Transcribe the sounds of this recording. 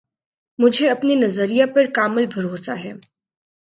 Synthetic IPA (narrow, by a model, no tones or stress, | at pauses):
mʊd͡ʒʱeɐpninɐzəɾijapɐɾkaːmɪlbʱɐɾoːsaɦɛː